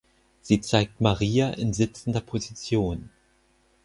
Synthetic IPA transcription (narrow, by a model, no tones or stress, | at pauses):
z̥iːt͡saɪk̚tmaʁiːaʔɪnzɪt͡sn̩dɐpʰozit͡sjoːn